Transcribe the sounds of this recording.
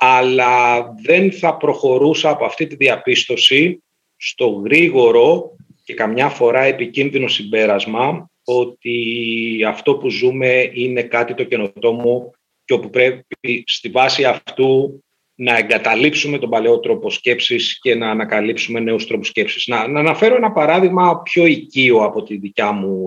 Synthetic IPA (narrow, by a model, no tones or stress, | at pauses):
ɐlɐðe̞nθɐpɾo̞xo̞ɾusɐːpoɐft̪it̪iðiɐpist̪o̞si | st̪o̞ɣɾiɣo̞ɾo̞ | ce̞kɐmɲɐfo̞ɾɐe̞picinðino̞sibe̞ɾɐzmɐ | o̞t̪iɐft̪o̞puzume̞ine̞kɐt̪it̪o̞ceno̞t̪o̞mu | ceo̞pupɾe̞ist̪ivɐsiɐft̪u | nɐeŋɡɐt̪ɐlipsume̞t̪o̞bɐleo̞t̪ɾo̞po̞sce̞psisce̞nɐːnɐkɐlipsume̞ne̞ust̪ɾo̞po̥sce̞psisnɐnɐnɐfe̞ɾo̞enɐpɐɾɐðiɣmɐpço̞icioɐpo̞t̪iðicɐmu